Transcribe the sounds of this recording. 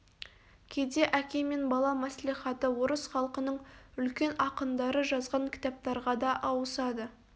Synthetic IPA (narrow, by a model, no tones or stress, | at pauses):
kʲʰed̪e̞ʔækʲe̞me̞nbɑlˠɑmæsliχɑt̪əwoɾəsχɑlˠqənəɴʏlkʲe̞nɑqənd̪ɑɾəʒɑzʁɑŋkʲʰɪ̥t̪ɑp̚t̪ɑɾʁɑd̪ɑʔɑwəsɑd̪ə